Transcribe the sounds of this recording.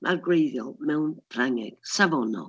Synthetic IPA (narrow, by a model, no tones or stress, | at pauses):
mʔarɡwejðjɔlˠmɛwnfraŋɛ̰ɡ̥savɔnɔ̰